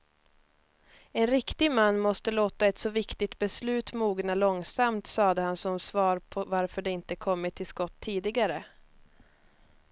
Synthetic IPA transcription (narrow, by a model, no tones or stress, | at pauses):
ɛnɾɪkt̪ɪɡmanːmɔst̪əloːt̪aɛt̪sɔvɪkt̪ɪt̪bɛslʉ̟ːt̪muːɡnalɔŋsamt̪sɑːd̪əhansɔmsvɑːɾpʰɔvaɾfœɖɛɪnt̪əkʰɔmːɪt̪ʰːɪlskɔt̪ʰːiːd̪ɪɡaɾə